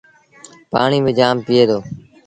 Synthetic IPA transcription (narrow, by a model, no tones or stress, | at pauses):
pa̰ːɳiːmẽːd͡ʒaːmpɪjeːd̪oː